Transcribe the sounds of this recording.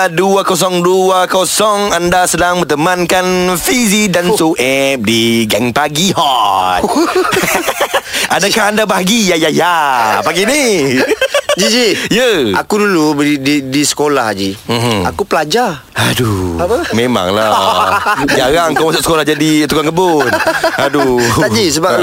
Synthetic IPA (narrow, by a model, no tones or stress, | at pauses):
duakos̬ɔŋduakosɔŋandasədaŋmət̪əmankanfizidansoʔɛp̚diɡaŋpaɡiɦɔt | adakahandabaɦaɡijajajapaɡini | d͡ʒid͡ʒijəa̰kudulubididisə̥kolahd͡ʒim̩a̰kupəlad͡ʒa | hadumẽmã̰ŋla | d͡ʒaɾaŋkawmasʊʔsə̥kolahd͡ʒadit̪ukankəbʊnhaduad͡ʒisəba